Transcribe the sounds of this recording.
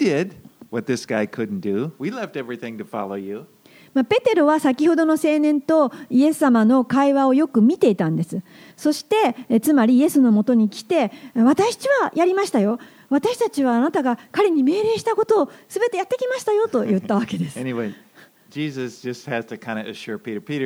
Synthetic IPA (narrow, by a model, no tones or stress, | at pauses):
d̥ɪd̚wʌt̪̚ðɪsɡ̥aɪkʰʊdⁿn̩d̥ɨwilɛftɛvɹiθɪ̃ŋtɨfɑ̰lˠoʊjʉ | mape̞t̪e̞ɾo̞βasakʲiho̞d̪o̞no̞se̞ːnẽ̞nt̪o̞ie̞sɨ̥samano̞kaiβao̞jo̞kɯ̟mʲit̪e̞it̪ãnd̪e̞sɨ | so̞ɕi̥t̪e̞t͡sɨmaɾʲije̞sɨno̞mo̞t̪o̞ɲ̟ikʲi̥t̪e̞βat̪aɕt͡ɕiβajaɾʲimaɕi̥t̪ajo̞ | β̞at̪aɕi̥t̪at͡ɕiβaːnat̪aɡakaɾe̞ɲ̟ime̞ːɾe̞ːɕi̥t̪ako̞t̪o̞ːsɨbe̞t̪e̞jat̪ːe̞kʲimaɕi̥t̪ajo̞t̪o̞jɯ̟t̪ːaβ̞ake̞d̪e̞sɨɛniweɪ̥ | d͡ʒizɨsd̥ʒ̥ʌst̚hɨz̥tɨkʰãɪ̃ndɨɨʃʊɹpiɾə˞piɾə˞